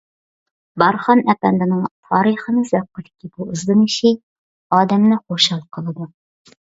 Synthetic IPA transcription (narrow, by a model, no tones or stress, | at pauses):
bɑɾχɑnɛpɛnd̪ɪnɨŋt̪ʰɑːɾiχənɨzɛp̚qːəd̪ɪ̥kʲʰibuɨzd̪ɨnɨʃi | ɑːd̪ɛmnɨχoʃɑlˠqʰəlˠɨd̪u